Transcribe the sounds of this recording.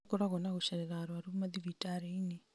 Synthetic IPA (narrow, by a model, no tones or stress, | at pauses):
koɾaɣɔnaɣoɕɛɾɛɾaɾwaɾumaðivitaɾeine